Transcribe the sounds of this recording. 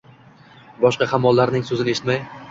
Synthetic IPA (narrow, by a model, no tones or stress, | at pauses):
bɒʃqɑhʰamːɒlˠːaɾnɪŋsɵzɪnɪe̞ʃɪ̥t̪maj